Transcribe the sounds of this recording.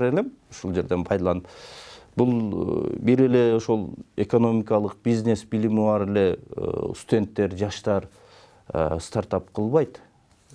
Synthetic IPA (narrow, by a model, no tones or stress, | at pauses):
ɾelemʊʃulˠd͡ʒe̞ɾd̪e̞npʰɑjd̪ɑlˠɑnəpbulˠbiɾe̞le̞o̞ʃo̞lˠe̞ko̞no̞mʲikɑlˠəq̚b̥izne̞sbilimibɑɾele̞̰st̪ud̪ʲe̞nt̪ːe̞ɾd͡ʒɑʃt̪ɑɾ̰ | st̪aɾt̪ɑp̚qʰəlˠβɑjt̪